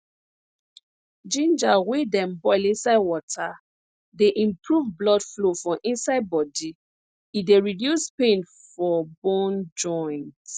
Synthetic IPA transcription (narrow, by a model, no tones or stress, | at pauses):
d͡ʒĩnd͡ʒawedɛ̃mbɔɪlĩnsaɪwɔtʰa | deʔĩmpʰɹuvblɔdflofɹɔ̃ʔĩnsaɪd̚bɔdi | ideɹidjuspẽn | fɔbɔ̃nd͡ʒɔ̃nt